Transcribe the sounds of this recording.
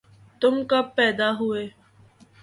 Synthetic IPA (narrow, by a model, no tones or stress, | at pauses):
t̪ʊmkapɛːd̪aːɦʊeː